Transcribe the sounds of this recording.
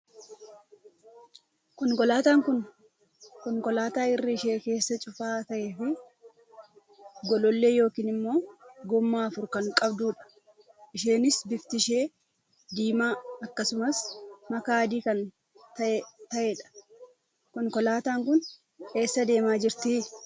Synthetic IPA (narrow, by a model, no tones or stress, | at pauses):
kɔŋkɔlaːt̪aːŋkʊn | kɔŋkɔlaːt̪aːɪrːɪːʃe̞ːke̞ːsːɐt͡ʃʼʊfaːt̪ɐʔeːfɪ | ɡɔlɔlːeːjo̞ːkiːnɪmːo̞ːɡɔmːaːɐfʊɾkɐŋkʼɐbd̪uːᶑɐ̥ | ʔɪʃe̞ːnɪsbɪft̪ɪʃe̞ː | d̪iːmaːɐkːɐsʊmɐsmɐkaːd̪iːkɐn | t̪ɐt̪ɐʔeːᶑɐ̥ | kɔŋkɔlaːt̪aːŋkʊn | e̞ːsːɐd̪e̞ːmaːd͡ʒɪɾt̪ɪ